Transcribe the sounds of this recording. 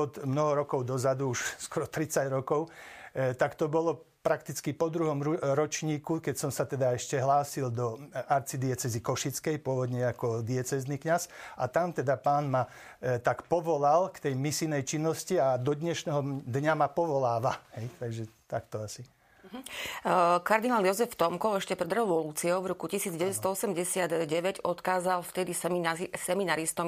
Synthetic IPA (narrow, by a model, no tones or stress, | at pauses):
ɔt̪mnɔɦɔɾɔkɔʊd̪ɔzad̪uuʃskɔɾɔt̪ɾit͡saɟɾɔkɔʊt̪akt̪ɔbɔlɔ | pɾakt̪it͡skipɔd̪ɾuɦɔmɾɔt͡ʃɲiːkukɛcsɔmsat̪ɛd̪aɛʃcɛɦlaːsild̪ɔaɾt͡sid̪iɛt͡sɛzikɔʃit͡skɛjpʊɔʋɔd̪ɲɛakɔd̪iɛt͡sɛznikɲasat̪amt̪ɛd̪apaːnma | t̪akpɔʋɔlalkt̪ɛjmisinɛjt͡ʃinːɔsciad̪ɔd̪ɲɛʃnɛɦɔd̪ɲamapɔʋɔlaːʋahɛjt̪aɡʒɛt̪akt̪ɔasi | kaɾd̪inaːljɔzɛft̪ɔmkɔɛʃcɛpɾɛd̪ɾɛʋɔluːt͡siɔʊvɾɔkucisiːd͡zɟɛʋɛt̪st̪ɔɔsɛmɟɛsɪad̪ɟɛʋɛɟɔt̪kaːzalft̪ɛd̪issɛminaɾist̪ɔm